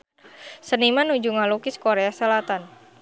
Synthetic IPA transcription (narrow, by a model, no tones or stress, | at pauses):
sənimanud͡ʒuŋalukɪskoɾeasəlat̪an